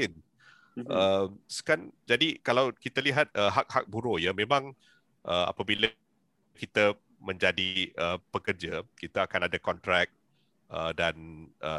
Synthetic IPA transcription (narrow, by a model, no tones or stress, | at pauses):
ɪn | əmsə̥kand͡ʒadikalawkit̪aliɦat̪̚əɦak̚hak̚buɾojəmẽmãŋ | ʔəa̰pabilə | kit̪ə | mə̃ɲd͡ʒadiəpəkərd͡ʒəkit̪aːkanadakɔnt̪ɾɛk̚ | ʔədanə